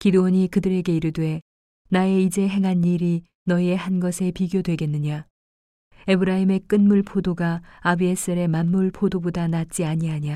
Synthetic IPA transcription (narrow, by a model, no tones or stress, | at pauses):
kidowʌɲikɯdɯɾe̞ɡe̞iɾɯdwe̞ | nae̞id͡ʑe̞ɦe̞ŋɦanːiɾi | nʌie̞hanɡʌsʰe̞piɡjodweɡe̞nːɯɲa | e̞bɯɾaime̞k͈ɯnmuɭpʰodoɡaabies͈ɯɾe̞manːuɭpʰodobodanat̚t͡ɕ͈iaɲiɦaɲia